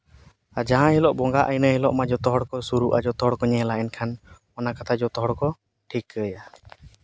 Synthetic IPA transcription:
ad͡ʒaɦãɦilɔʔbɔŋɡaʔəjnəɦilɔʔmad͡ʒɔt̪ɔɦɔɽkɔsuɾuʔad͡ʒɔt̪ɔɦɔɽkɔɲɛɦɛlaʔɛnkʰan | ɔnakat̪ʰad͡ʒɔt̪ɔɦɔɽkɔ | ʈʰikːəja

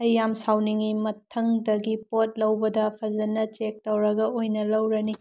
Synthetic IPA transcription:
ɐjːamsawniŋimɐtʰɐŋdɐɡipot̚lɐwbɐdɐpʰɐzɐnɐt͡ʃek̚tɐwɾɐɡɐojnɐlɐwɾɐni

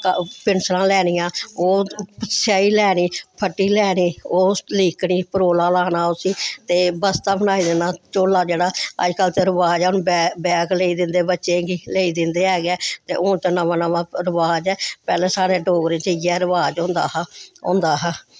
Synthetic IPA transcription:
kpɪnsɾãːlɛːɽ̃ijãːoːpəsjaːiːlɛːniːpʰəʈːiːlɛːɽiːoːliːkɽiːpəɾoːlãːlaːnaːoːsiːt̪eːbəst̪aːbənaːiːd̪ɪnaːt͡ʃoːlaːd͡ʒeːɽaːə̰d͡ʒkəlt̪eːɾəʋaːd͡ʒɛːʊnbbɛːɡleːiːd̪ɪnd̪eːbətːʃẽːɡiːleːiːd̪ɪnd̪eːɛːɡɛːt̪eːʔʊt͡ʃənəʋãːnəʋãːɾəʋaːd͡ʒɛːpɛːlɛ̃ːsaːɽeːɖoːɡɾẽːt͡ʃəiːɛːɾəʋaːd͡ʒõnd̪aːɦõ̰ːnd̪aːɦɛ

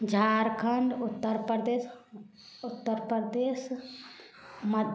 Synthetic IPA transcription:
d͡ʒʱaɾkʰəɳɖut̪ːəɾpɾd̪es | ut̪ːəɾpɾd̪es | məd̪

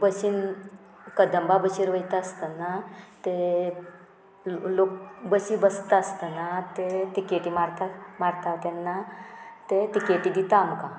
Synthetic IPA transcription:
bəsin | kəd̪ʱəmbabəɕiɾʋəjt̪aəst̪ənat̪e | lokbəsĩbəst̪əst̪ənat̪eʈ̪ikeʈimaɾt̪amaɾt̪at̪janːat̪et̪ikeʈid̪it̪amkã

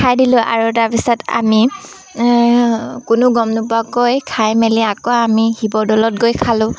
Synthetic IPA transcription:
kʰajdilʊ̃ʔa̰ɹutaɹpisata̰mi | kʊnʊɡɔmnʊpuakojkʰajmeliakɔamihibɔdɔlɔt̚ɡojkʰalʊ̃

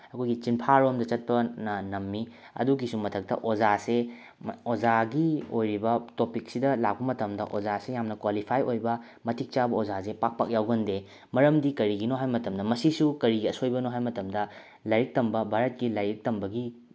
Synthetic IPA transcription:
ɐkʰojɡit͡ʃinpʰaɾomdɐt͡ʃɐt̚pɐnɐnɐmːi | ɐ̰duɡisumɐtʰɐk̚tɐ̰ʔozase | ozaɡiojɾibɐtopik̚sidɐlak̚bɐmɐtɐmdɐ̰ʔozasejamnɐkwalipʰajojbɐ | mɐtʰik̚t͡ʃabɐozasepak̚pa̰k̚jawɡɐnde | mɐɾɐmdikɐɾiɡinoɦajmɐtɐmdɐmɐsisukɐɾiɡiɐsojbɐnoɦajmɐtɐmdɐ | lɐjɾik̚tɐmbɐbʱaɾɐt̚kilɐjɾik̚tɐmbɐɡi

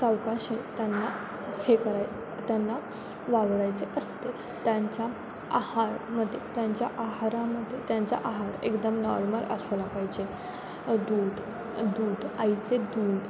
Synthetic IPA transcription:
sawkaɕint̪janːa | hekəɾaj | t̪janːa | ʋaɡɽajt͡seʔəst̪e | t̪jaɲt͡ɕja | ahaɾməd̪ʱːjet̪jãɲt͡ɕja̰ʔaɦaɾãməd̪ʱːjet̪jaɲt͡ɕa̰ʔaɦaɾḛkd̪əmnɔɾməɾə̰slapaɦid͡ʑe | d̪uːd̪ | d̪uːd̪əjt͡sed̪uːd̪

